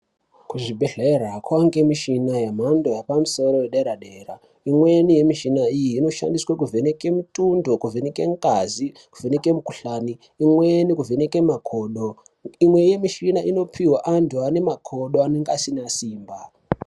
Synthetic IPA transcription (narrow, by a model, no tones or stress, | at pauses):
kuʐibʱe̞ɮeɾakwaŋɡe̞miʃinajem̤ando̞japamuso̞ɾojeɗeɾaɗeːɾa̰ | imwe̞nije̞miʃinaijiːno̞ʃa̰ndiswak̬uvʱe̞neke̞mutundo̞kuvʱeneke̞̰ŋkazikuve̞neke̞mukuɬaniː | mwenikuvʱeneke̞makʰoːɗo | imwe̞je̞miʃinaʔino̞pʰiwaʔandoane̞makʰo̞ɗo̞ane̞ŋɡaasinasiːmba